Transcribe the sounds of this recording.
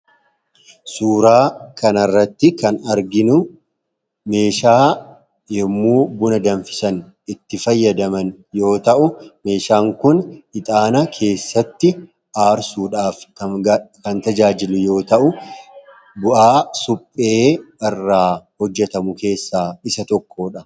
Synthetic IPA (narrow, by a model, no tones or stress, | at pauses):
suːɾaːkɐnɐrːɐt̪ːɪkɐnɐɾɡɪnʊ | me̞ːʃaː | jɛmːuːbʊnɐd̪ɐnfɪ̥sɐn | ɪt̪ːɪfɐjːɐd̪ɐmɐn | jo̞ːt̪ɐʔʊme̞ːʃaːŋkʊnɪt̪ʼaːnɐkʰe̞ːsːɐt̪ːɪ | ʔaːɾsuːᶑaːfkɐkɐnt̪ɐd͡ʒaːd͡ʒɪlʊjo̞ːt̪ɐʔʊ | bʊʔaːsʊpʼːe̞ːɛrːaːhɔd͡ʒːɛt̪ɐmʊke̞ːsːaːɪsɐt̪ɔkʰːo̞ːᶑɐ